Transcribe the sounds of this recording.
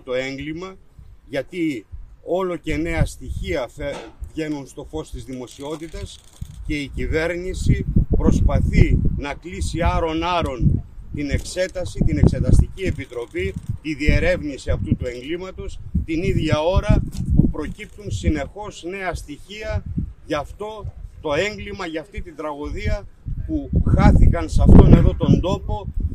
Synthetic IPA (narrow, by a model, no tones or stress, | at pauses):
t̪o̞e̞ŋɡlimɐ | ʝɐt̪io̞lo̞ce̞ne̞ɐst̪içiɐvʝe̞nunst̪o̞fo̞st̪izðimo̞sio̞t̪it̪ɐs | ce̞icive̞ɾnisipɾo̞spɐθinɐklisiɐɾo̞nɐɾo̞nt̪ine̞kse̞t̪ɐsit̪ine̞kse̞t̪ɐst̪icie̞pit̪ɾo̞pit̪iðie̞ɾe̞vnisiɐft̪ut̪ue̞ŋɡlimɐt̪ost̪iniðʝɐo̞ɾɐpupɾo̞cip̚t̪unsine̞xo̞sne̞ɐst̪içiɐʝɐft̪o̞t̪o̞e̞ŋɡlimɐʝɐft̪it̪ind̪ɾɐɣoðiɐpuxɐθikɐnsɐft̪o̞ne̞ðo̞t̪o̞nd̪o̞po̞